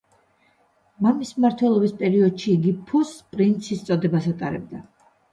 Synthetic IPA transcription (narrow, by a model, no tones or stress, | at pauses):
mamismmaɾt̪ʰwɛlˠɔbispʼɛɾiɔd̪ʃiːɡipʰuspʼɾint̪sʰist̪sʼɔd̪ɛbasat̪ʼaɾɛb̚d̪a